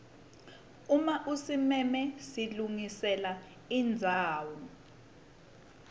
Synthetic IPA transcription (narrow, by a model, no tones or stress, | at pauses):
umaʔusimɛmɛsiluŋisɛla | ind͡zʱaːwɔ